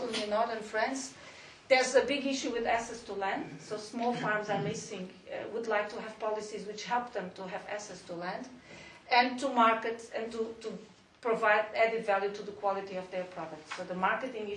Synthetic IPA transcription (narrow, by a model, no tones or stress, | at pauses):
l̃ˠmɨ̃nːɔɹðə˞nfɹɛ̃ndz | ðə˞zəbɪɡɪʃuwɪðæksɛstulæ̃ndsoʊsmɔlˠfɑɹmza˞mɪsɪ̃ŋ̰ | wudlaɪk̚tʰuɦɨv̥pɑlˠɨsizwɨt͡ʃhɛlˠp̚ðə̃mtʰuɦɨvæ̰ksɛstulæ̃nd | ɨ̃ntʰumaɹkɨtɨ̃ntutu | pɹɨvaɪdɛdɨtvælˠjutʰuðəkʰw̥ɑlˠɨɾiɔvðə˞pʰɹ̥ɔdək̚tsoʊðəmaɹkɨtɪ̃ŋ